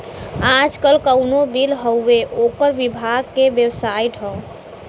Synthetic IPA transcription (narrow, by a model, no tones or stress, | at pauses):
ad͡ʒkəlkəʊnobilɦəeʔokəɾʋibʱaɡ̚kebjəwsaiʈ̪ɦə